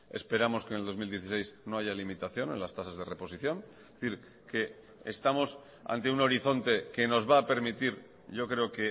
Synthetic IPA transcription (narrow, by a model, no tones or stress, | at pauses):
e̞̰spe̞ɾamo̞skene̞ld̪o̞zmild̪je̞θise̞jzno̞aʝalimit̪aθjo̞nẽ̞̰last̪asazð̞e̞re̞po̞siθjo̞ŋ | θiɾ | ke̞ː | st̪amo̞s | a̰nt̪e̞uno̞ɾiθo̞nt̪e̞ke̞no̞zβaːpe̞ɾmit̪iɾ | ɟ͡ʝo̞kɾe̞oke̞